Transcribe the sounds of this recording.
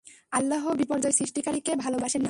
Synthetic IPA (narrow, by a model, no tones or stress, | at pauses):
alːaɦobipɔɾd͡ʑɔesɾiʃʈikaɾikebʱalobaʃena